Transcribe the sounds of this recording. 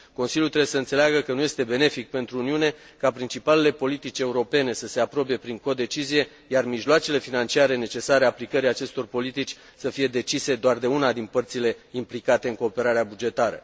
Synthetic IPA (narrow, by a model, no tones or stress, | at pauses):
ko̞nsiljult̪ɾebjesəɨnt̪se̞leaɡəkənuje̞st̪e̞be̞ne̞fik̚pe̞nt̪ɾuuniune̞ | kapɾint͡ʃipale̞le̞po̞lit̪it͡ʃʲe̞uɾo̞pe̞ne̞səse̞apɾo̞pe̞pɾiŋko̞d̪e̞t͡ʃizije̞ | jarmiʒloat͡ʃe̞le̞finant͡ʃiaɾe̞ne̞t͡ʃe̞saɾeaplikəɾijat͡ʃe̞st̪o̞rpo̞lit̪it͡ʃʲ | səfije̞d̪e̞t͡ʃise̞d̪oard̪e̞unad̪inpərt̪sile̞implikat̪e̞ɨŋko̞ːpe̞ɾaɾeabud͡ʒe̞t̪aɾə̰